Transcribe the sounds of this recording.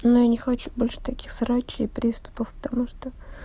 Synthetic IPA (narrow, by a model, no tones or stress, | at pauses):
nojanʲɪxɐt͡ɕu̥bolʲʂə̥t̪ɐkʲixsɾat͡ɕːɪpɾʲist̪ʊ̥pəfpə̥t̪amuʂt̪o